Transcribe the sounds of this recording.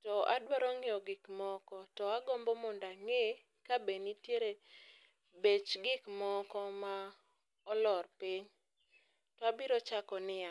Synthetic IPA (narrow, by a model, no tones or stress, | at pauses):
tɔʔadwaɾɔŋɪɔɡɪkmɔkɔtɔaɡɔmbɔmʊndaŋe | kabenitjeɾe | bet͡ʃɡɪkmɔkɔma | ɔlɔrpiɲ | tɔabiɾɔt͡ʃakɔnɪja